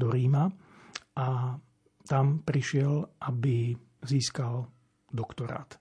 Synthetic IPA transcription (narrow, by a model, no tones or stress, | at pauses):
d̪ɔɾiːma | ʔa | t̪ampɾiʃɪɛlʔabi | ziːskal | d̪ɔkt̪ɔɾa̰ːt̪